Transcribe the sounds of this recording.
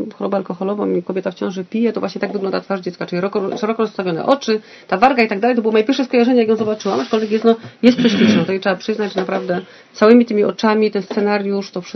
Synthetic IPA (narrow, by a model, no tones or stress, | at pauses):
xɔɾɔbaalkɔxɔlɔvɔ̰mikɔbʲet̪aft͡ɕɔ̃w̃ʐɛpʲijɛt̪ɔvwaɕɲɛt̪aɡvɨɡlɔ̃nd̪at̪faʐd͡ʑɛt̪skaʈ͡ʂɘliɾɔkɔʂɛɾɔkɔɾɔst̪avʲjɔnɛ̰ʔɔt͡ʂɘ | t̪avaɾɡait̪aɡd̪alɛjt̪ɔbɘwɔmɔjɛpʲɛɾʂɛskɔjaʐɛɲɛjakjɔ̃w̃zɔbat͡ʂɘwamat͡ʂkɔlvʲɛk̬jɛst̪nɔjɛst̪̚pʂɛɕlʲit͡ʂnɔt̪ɔjɛtʂɛbapʂɘznad͡ʑʐnapɾavd̪ɛ | sawɘmʲit̪ɘmʲiʔɔt͡ʂamʲit̪ɛnst̪sɛnaɾʲjuʂt̪ɔfʂ